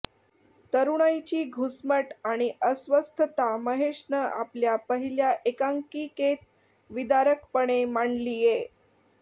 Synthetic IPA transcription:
t̪əɾuɽ̃ajt͡ɕiːɡʱusməʈaɽ̃iʔəsʋəst̪ʰət̪aməɦeʂɳəʔa̰pljapəɦiljaʔekaŋkiːket̪̚ | ʋid̪aɾək̚pəɽ̃emaɳliːje

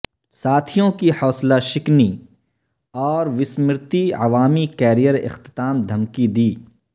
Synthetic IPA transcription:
saːt̪ʰijõkihɔːslaʃɪkni | ɔːɾʋɪsmɾt̪iɐʋaːmikɛːɾijəɾɪ̰xt̪ɪ̥t̪aːmd̪ʱɐmkid̪iː

